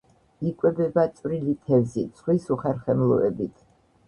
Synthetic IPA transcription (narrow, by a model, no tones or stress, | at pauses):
ikʼwɛbɛbat̪sʼwɾilit̪ʰɛvzit̪sʰʼχwisuχɛɾχɛmlˠɔ̰ɛ̰bit̪ʰ